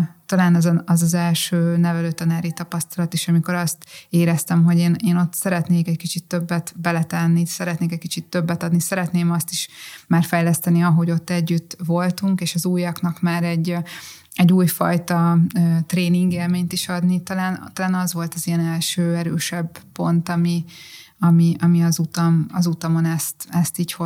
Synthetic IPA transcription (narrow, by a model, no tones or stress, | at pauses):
t̪ɒlaːnɛzɛɒzɒzɛlʃøːnɛvɛløːt̪ɒnaːɾit̪ɒpɒst̪ɒlɒt̪eʃɒmiko̞ɾɒst̪eːɾɛst̪ɛmɦo̞ɟeːneːno̞t̪ːsɛɾɛt̪neːkɛckit͡ʃit̪ːø̞bːɛt̪bɛlɛt̪ɛnːisɛɾɛt̪neːkɛckit͡ʃit̪ːø̞bːɛt̪ɒd̪nisɛɾɛt̪neːmɒst̪iʃmaːrfɛjlɛst̪ɛniɒɦo̞ɟo̞t̪ːɛɟːyt̪ːvo̞lt̪uŋkeːʃɒzuːjɒknɒkmaːɾɛɟː | ɛɟːuːjfɒ̰jt̪ɒøːt̪reːniŋɡeːlmeːɲt̪iʃɒd̪nit̪ɒlaːnt̪ɒlaːnɒzʋo̞lt̪ɒzijɛnɛlʃøːɛɾøːʃɛbpo̞nt̪ɒmi | ɒmiɒmiɒzut̪ɒmɒzut̪ɒmo̞nɛst̪ɛst̪iːcho